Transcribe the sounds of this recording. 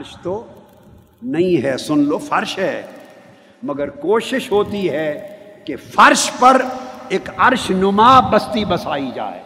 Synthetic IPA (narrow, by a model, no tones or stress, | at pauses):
ɐɾʃt̪o | nɐɦĩɦɛːsʊnloːfɐɾʃɦɛː | mɐɡəɾkoːʃɪʃɦoːt̪iɦɛːkefɐɾʃpɐɾeːkɐɾʃnʊmaːbɐst̪ibɐsaːid͡ʒa̰ːḛː